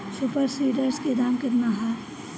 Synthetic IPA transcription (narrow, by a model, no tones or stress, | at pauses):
supəɾsiːɖəɾsked̪aːmkɐɾnaɦa